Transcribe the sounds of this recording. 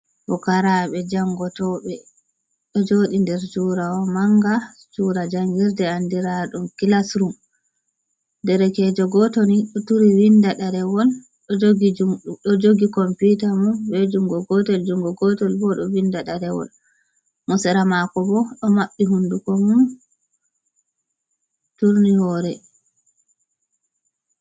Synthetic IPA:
bɔkaɾaɓɛd͡ʒaŋɡɔtɔɓɛ | ɗɔd͡ʒoɗindɛɾt͡ʃuːɾawɔmaŋɡa | t͡ʃuɾad͡ʒaŋɡiɾdɛandiɾaɗumkilasɾum | dɛɾɛkɛd͡ʒɔɡɔtoniɗɔtuɾiwindaɗaɾɛwɔl | ɗɔd͡ʒoɡid͡ʒuɗɔd͡ʒoɡikɔmputamunbɛd͡ʒuŋɡɔɡɔtɛld͡ʒuŋɡɔɡɔtɔlbɔɗɔwindaɗaɾɛwɔ̰l | mɔsɛɾamakɔbɔɗɔmaɓːiɦundukɔmun | tuɾnihɔɾɛ

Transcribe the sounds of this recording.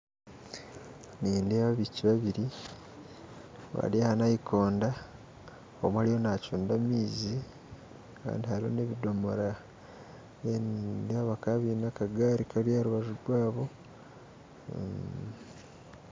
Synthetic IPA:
niːndeβaβiciβaβiɾi | βa̰ɾehanahikʰo̞ːnda | omhaɾijo̞naːcuːndamiːzi | ka̰ːndihaɾiho̰ne̞βido̞moɾa | enndeaβakaβinakaɡaɾikaljaːɾuβaʒuɾwaːβo̞

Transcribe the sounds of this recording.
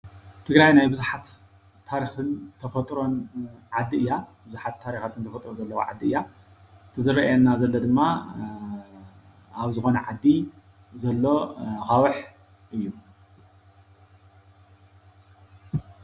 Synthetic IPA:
t̪ʰɨɡɾajnajbɨzuħat̪ʰː | aɾixɨnt̪ʰɐfɐt̪ʼɾo̞nʕad̪ːiʔɨjːabɨzuħat̪ʰːaɾixat̪ʰɨnt̪ʰɐfɐt̪ʼɾozɐlːɐwo̰ʕa̰d̪ːiɨjːa | t̪ʰɨzɨɾɐʔɐnːazɐlːod̪ɨmːa | aβzɨxo̞nɐʕa̰d̪ːi | zɐlːo̞xawɨħ | ʔɨjːu

